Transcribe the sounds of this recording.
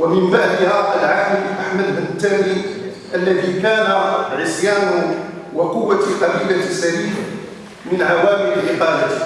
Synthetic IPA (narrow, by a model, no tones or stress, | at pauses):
wamɪmbaʕd̪ɪhaʔəlʕaħd̪ʔaħmad̪bənt̪ːamɾi | ʔalːæðikaːnaʕɪsjaːnʊ | wɑqʊwːaqɑbiːlasaɾiːn | mɪnʕawaːmɪɾɪlʔɪqɑːmat̪